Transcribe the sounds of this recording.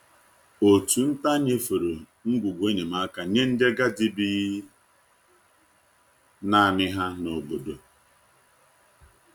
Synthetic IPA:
o˨tu˨n̩˦ta˦ɲe˦fo˨ɾo˨ | ŋ̩˦ɡʷu˨ɡʷe˦ɲe˨ma˦ka˨ɲe˦n̩˦de˦ɡa˦di˦bi˦ | na˦a˨mɪ˦ɦa˦no˨bo˨do˨

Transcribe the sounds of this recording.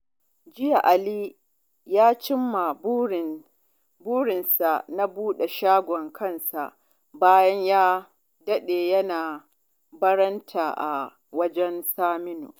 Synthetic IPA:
d͡ʒɪ˦ja˨ʔa˨liː˦ | jaː˦t͡ʃɪ˦mːa˨ | buː˦ɽɪ˨nsa˨na˦buː˦ɗe˨ʃaː˦ɡʷɔ˨ŋkʰɐ˦˨nsa˨ʔ | baː˦jɐ˦ɲjaː˦ | dɐ˦ɗeː˨jɐ˦naː˨ | bɐ˦ɾɐ˦ntʰaː˨ʔa̰˨ | wɐ˦d͡ʒɛ˦nsaː˦mɪ˦no̰˨

